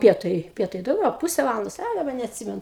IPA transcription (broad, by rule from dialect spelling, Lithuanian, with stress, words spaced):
ˈpʲiɛtɐɪ ˈpʲiɛtɐɪ dɐʊˈɡʲɛʊ ɐ ˈpʊsʲɛ ˈʋɑːlˠɐndoːs ɐ dɐˈbɐ nʲɛɐtʲˈsʲɪmʲɛnʊ